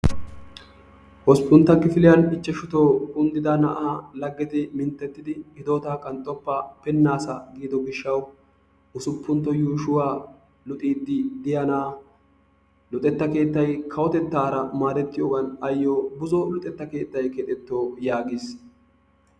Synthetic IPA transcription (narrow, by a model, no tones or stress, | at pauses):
hɔspːʊnt̪ːɐkɪfɪlɪjɐnɪt͡ʃːɛʃʊt̪oːkʼʊnd̪ɪd̪ɐnɐʔaːlɐɡːɛt̪ɪmɪnt̪ːɛt̪ːɪd̪ɪɪd̪o̞ːt̪aːkʼːɐnt̪ʼːɔpːɐpɛnːaːsɐɡiːd̪ɔɡɪʃːɐw | ʊsʊpːʊnt̪ːɔjuːʃʊwaː | lʊt̪ʼiːd̪ːɪd̪ɪjɐnaː | lʊt̪ʼɛt̪ːɐke̞ːt̪ːɐjkʰɐwɔt̪ɛt̪ːaːɾɐmaːɾɛt̪ːɪjoːɡɐnɐjːoːbʊzɔlʊt̪ʼɛt̪ːɐke̞ːt̪ːɐjkɛːt̪ʼɛt̪ːo̞ːjaːɡɪs